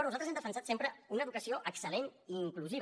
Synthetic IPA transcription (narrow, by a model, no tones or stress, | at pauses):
ɾnuzalt̪ɾzemd̪əfənsat̪sempɾəunəːðukəsioʔəksəleniːŋkluziβ